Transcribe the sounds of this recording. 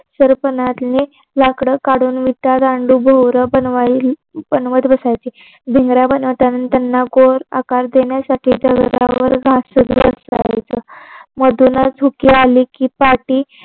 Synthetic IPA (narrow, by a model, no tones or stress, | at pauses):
səɾpənat̪ni | lakɽəkaɽuːnʋit̪ad̪aɳɖuːbʱəwɾəbənʋabənʋət̪bəsajt͡ɕi | bʱeŋɡɾjabənəʋt̪annt̪janːaɡoɾa̰kaɾd̪eɳjasaʈʰiːd̪əɡɾa̰ʋəɾɡʱaəd̪ɾṵəsa̰jt͡səməd̪unad͡zʱukialiːkiːpaʈiː